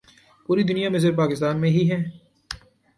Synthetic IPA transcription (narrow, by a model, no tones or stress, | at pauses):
puːɾid̪ʊnijamɪs̬əɾp̬aːkɪs̬t̪aːnmẽɦiɦɛ̃ː